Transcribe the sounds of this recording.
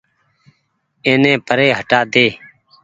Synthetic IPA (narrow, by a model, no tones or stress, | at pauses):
ẽːnẽːpəɾeːɦəʈaːd̪eː